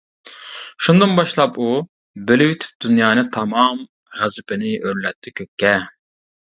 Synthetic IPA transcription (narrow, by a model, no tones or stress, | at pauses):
ʃund̪ɨnbɑʃlˠɑpu | belɪyt̪ʰy̥p̚d̪̥ynjɑːnɨt̪ʰɑmɑm | ʁæzɪpʰɪnɪʔøɾlːɛt̪ʰːɛkʲʰøkʲːɛ